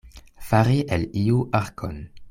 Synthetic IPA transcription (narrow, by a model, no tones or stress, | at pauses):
faɾiʔeliuʔaɾkʰo̰n